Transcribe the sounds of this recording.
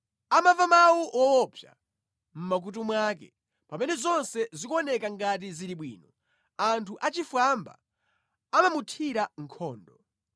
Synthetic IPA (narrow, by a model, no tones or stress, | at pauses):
amavamawuwɔwɔpʰja̰ | m̩mak̬ut̬umwaːkɛ̰ | pamɛnɛzɔnsɛzikuɔnɛkaŋɡat̬iziɾiɓwḭːnɔ | antʰuʔat͡ʃifwamba̰ | amamutʰiɾaŋ̩kʰɔːndɔ